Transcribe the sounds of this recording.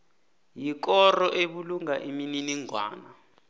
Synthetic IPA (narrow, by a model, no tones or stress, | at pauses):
jik̬ɔrɔʔeɓuluŋaʔimininiŋʱwa̰ːna